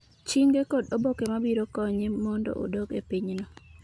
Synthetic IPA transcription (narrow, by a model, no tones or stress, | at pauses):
t͡ʃiŋɡekodobokemabiɾokɔɲemɔndɔ̰ʔo̰dokepiɲnɔ